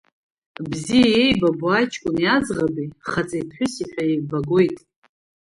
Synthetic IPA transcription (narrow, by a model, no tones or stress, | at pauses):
bzijajejbabuajt͡ʃʰʼkʷʼʊniad͡zʁabiχat͡sʼajpʰħʷʊsiħʷᶣaibaɡo̞jtʼ